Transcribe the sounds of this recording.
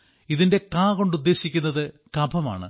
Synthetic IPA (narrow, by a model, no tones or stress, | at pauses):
iðinde̞kaːko̞ɳɖud̪ːe̞ːɕikʲːunːɐðɨ | kɐbʱɐma̰ːɳɨ̰